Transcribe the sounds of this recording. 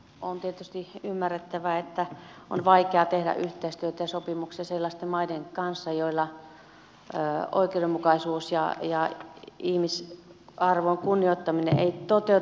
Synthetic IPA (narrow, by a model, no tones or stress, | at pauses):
ont̪iet̪yst̪iymːærːet̪ːæʋæet̪ːæ | o̰nʋɑikeɑt̪ehɾæ̰ʔyht̪eist̪yøt̪æjɑsopimuksiɑselːɑst̪emmɑideŋkɑnsːɑjoilːɑ | o̰ikeuɾemukɑisuːsjɑ̰jɑihmisɑrʋoŋkunːioit̪ːɑminḛḛit̪ot̪eu